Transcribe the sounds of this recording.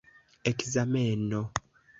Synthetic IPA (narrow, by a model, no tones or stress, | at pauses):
ekizameːno